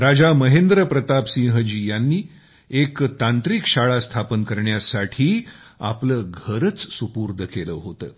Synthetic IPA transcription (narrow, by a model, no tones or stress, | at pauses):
ɾad͡zaməɦend̪ɾəpɾət̪apsĩɦəd͡ʑiːjanːiː | ekt̪ant̪ɾikɕaɭast̪ʰapənkəɾɳjasaʈʰiː | a̰pləːɡʱəɾət͡ssupuɾd̪ʱəkeləːɦot̪əː